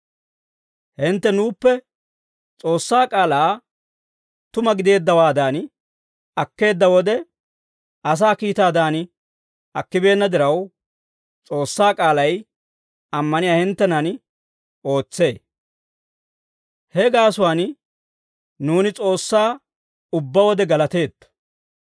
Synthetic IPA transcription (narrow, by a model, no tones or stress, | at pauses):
hɪnt̪ːɛnuːpːɛ | t͡sʼo̞ːsːaːkʼaːlaː | t̪ʊmɐɡɪd̪e̞ːd̪ːɐwaːd̪aːn | ɐkːe̞ːd̪ːɐwɔd̪ɛ | ɐs̬aːkiːt̪aːd̪aːn | ɐkːɪbe̞ːnːɐd̪ɪɾɐw | t͡sʼo̞ːsːaːkʼaːlɐj | ɐmːɐnɪjaːhɪnt̪ːɛnɐn | o̞ːt͡sːe̞ː | hɛɡaːsʊwaːn | nuːnɪt͡sʼo̞ːsːaː | ʊbːɐwɔd̪ɛɡɐlɐt̪e̞ːd̪ɐ̥